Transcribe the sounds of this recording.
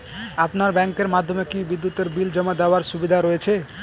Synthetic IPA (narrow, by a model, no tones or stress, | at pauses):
apnaɾbɛŋkeɾmad̪ʱːomekibid̪ːut̪eɾbild͡ʒɔmad̪eoaɾsubid̪ʱaɾɔet͡ɕʰe